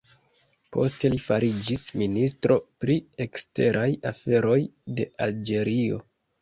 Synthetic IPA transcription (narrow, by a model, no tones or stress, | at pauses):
po̞̰ste̞lifaɾid͡ʒisministɾo̞pɾie̞kste̞ɾʔajafe̞ɾo̞jde̞ald͡ʒe̞ɾio̞̰